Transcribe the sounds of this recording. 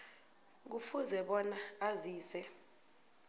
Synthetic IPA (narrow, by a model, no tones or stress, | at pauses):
k̬ufuzɛɓɔnaaziːsɛ